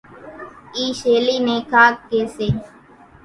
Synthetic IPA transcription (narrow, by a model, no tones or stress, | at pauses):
iːʃeːliːneːkʰaːkːeːseː